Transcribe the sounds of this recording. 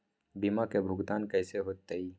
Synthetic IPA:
bimakebʱʊɡt̪aːnkɛːseɦoːt̪ːei

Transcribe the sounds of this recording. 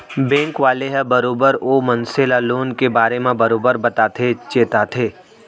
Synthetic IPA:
bẽːŋkʋaːleɦɛbɐɾoːbəɾoːmɐnselaloːnkebaːɾemẽbɐɾoːbəɾbɐt̪aːt̪ʰet͡ʃeːt̪at̪ʰeː

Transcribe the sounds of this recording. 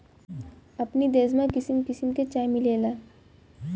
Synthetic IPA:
ɐpnid̪eːzmãkɪsɪmkɪsimket͡ʃaːjmileːlaː

